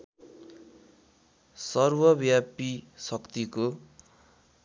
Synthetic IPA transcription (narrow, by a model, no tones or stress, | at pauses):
sʌrwʌbjapisʌkt̪iko